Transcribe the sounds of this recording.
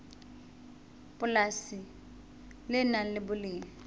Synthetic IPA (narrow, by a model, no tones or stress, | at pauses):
pʼʊlasɪ | lɪnalɪbʊlɪːŋ̩